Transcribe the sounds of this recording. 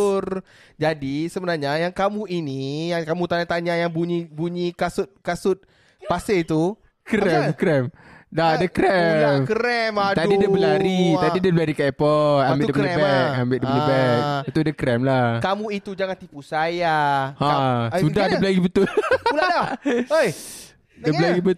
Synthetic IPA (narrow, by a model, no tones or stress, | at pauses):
rd͡ʒadisəbənarɲajaŋkamũinijaŋkamũt̪aɲat̪aɲajaŋbuɲibuɲikasʊt̪̚kasʊt̪̚ | paset̪u | kɾɛmkɾɛmdadəkɾɛamkɾɛmadt̪adidiabəlaɾiadidəbəlaɾikaɛpɔambɪdakləɛbɛk̚ambɪʔdəpələbɛk̚ət̪udəkɾɛmlahkamũit̪ud͡ʒaŋant̪ipusajahaasudahdəbəlaɡibət̪ʊluladaoj | dəbəlaɡibə